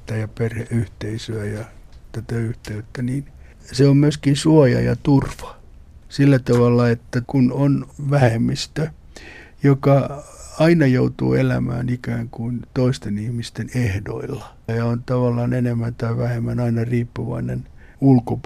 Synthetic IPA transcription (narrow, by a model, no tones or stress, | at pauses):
t̪ːæjɑperheʔyht̪eisyæjɑt̪æt̪æyht̪eyt̪ːæniːn | seommyøskinsuɑjɑ̰jɑ̰t̪urʋɑ̥ | silːæt̪ɑʋɑlːɑet̪ːækunonʋæhemːist̪ø | jokɑɑinɑjout̪ṵːelæ̰mæ̰ːnikæːŋkunt̪oist̪enihmist̪enehdo̰ilːɑ | jɑont̪ɑʋɑlːɑːnenemːænt̪ɑiʋæhemːænɑinɑriːpːuʋɑ̰inḛn | ulkop